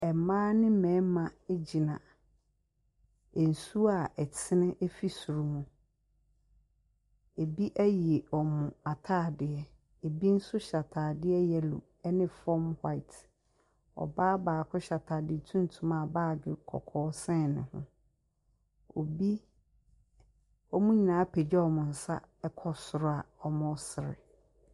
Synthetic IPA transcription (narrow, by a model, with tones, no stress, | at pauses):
ɛ˨mãː˦nɪ̃˦m̩˦mɛ̃˨˦mã˨e˦d͡ʑi˨nã̰˨ | n̩˨su˦a˨ʔɛ˨tʰɪ˦nɪ̃˦ʔe˦fi˦su˨ɾu˨mũ˨ | e˨bi˦ʔæ˦ji˨e˨ɔ˨mʊ̃˨a˨tʰaː˦˨dɪ˨ɛ˦ | e˨bi˦n̩˦sʊ˦ɕa˨tʰaː˨dɪ˦ɛ˦jɛ˦lṵ˨ | ɛ˦nɪ̃˦fɔ˦mhwa˦ɪ˨tʰ | ɔ̰˨baː˦baː˨kʰʊ˦ɕa˨tʰaː˨dɪ˦˨tʰũ˦n˦tʰũ˨mã˦˨baː˦˨ɡɪ˨kʰɔ̰˨kʰɔː˦sɛ̃˦nɪ̃˨hʊ̰̃˦ | o˨bi˦ | ɔ˦mũ˦ɲi˨nãː˨˦pʰɛ˨d͡ʑɛ˦ɔ˨mʊ̃˨n̩˨sa̰˦ɛ˦kʰɔ˦sʊ˨ɾʊ˦a˨ɔ˨mʊ̃˦sɪ˨ɾɪ̰˨